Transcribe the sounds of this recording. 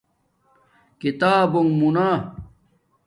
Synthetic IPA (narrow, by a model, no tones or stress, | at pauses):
kit̪aːbuŋmunaː